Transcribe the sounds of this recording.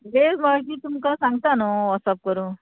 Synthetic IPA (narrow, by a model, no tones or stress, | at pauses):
ɦemak̬it̪umkəsãŋɡt̪anoəsap̚kəɾu